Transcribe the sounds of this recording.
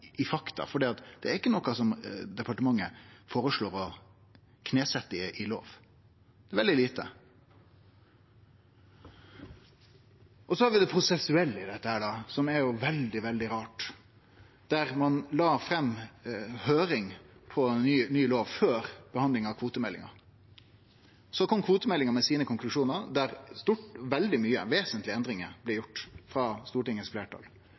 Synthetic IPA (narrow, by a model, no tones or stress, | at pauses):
ɪfɑkt̪ɑ̰fɔɖiːɑt̪d̪̥ɛæɾɪkːənɔkɑsɔmd̪ɛpɑʈəmɑŋːəfoːɾəʂɭoːɾɔ | kʰneːsɛt̪ːəɪʔɪlo̰ːʋ | d̪ɛæɾʋɛld̪ɪliːt̪ə̰ | ʔɔsɔhɑɾʋɪd̪ɛpʰɾʊsɛsʉɛlːəɪd̪ɛt̪ːəhæːɖɑsɔmæɾjʊʋɛld̪ɪʋɛld̪ɪɾɑːʈ | d̪̥æɾmɑnlɑːfɾɛmː | høːɾɪŋpʰɔɛnyyːloːʋføːɾb̥əhɑnd̪lɪŋɑkʰʋuːt̪əmɛlːɪ̰ŋɑ̰ | sɔkʰɔmkʰʋuːt̪əmɛlːɪŋəmɛsiːnəkʰɔŋklʉʂuːnəɾd̪æɾst̪uʈʋɛld̪ɪmyːəʋeːsənt̪lɪɛnd̪ɾɪŋəblɛjʊʈːfɾɑst̪uːʈɪŋəsfleːʈʰɑ̰l